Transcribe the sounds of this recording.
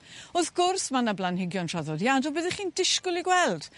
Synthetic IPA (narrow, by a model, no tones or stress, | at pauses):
ɔθɡʊrsmanablˠanhɪɡjɔntraðɔdjadɔbəðɛχiːndɪʃkʊlˠiɡwɛlˠd̥